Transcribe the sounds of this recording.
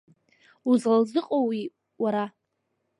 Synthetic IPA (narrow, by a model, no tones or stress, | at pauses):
uzlzɨqʼowi | waɾa